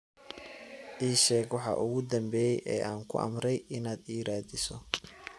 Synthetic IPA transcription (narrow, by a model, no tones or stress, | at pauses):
ʔiːʃɛːɡwɑħɑ̰ːʔʊɣʊd̪ɐmbɛːjɛjʔɛ̰ːʔaːŋkʰʊ̰ʔɐ̰mɾɛjɪnaːd̪iːɾaːdɪsɔ